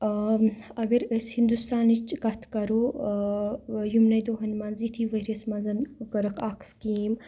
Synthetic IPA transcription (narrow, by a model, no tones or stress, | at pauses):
ɐɡɐɾəshind̪ust̪aːnit͡ʃɡɐt̪ʰkɐɾoː | jumnɐjd̪oːɦɐnmɐnzit̪ʰiʋɐɾʲɐsmɐnzɐnɡɐɾɐkʰaːkskiːm